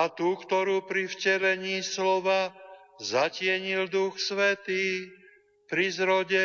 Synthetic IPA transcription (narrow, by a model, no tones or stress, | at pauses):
at̪uːkt̪ɔɾuːpɾifcɛlɛɲiːslɔʋa | zacɪɛɲild̪uxsʋɛt̪iː | pɾizɾɔɟɛ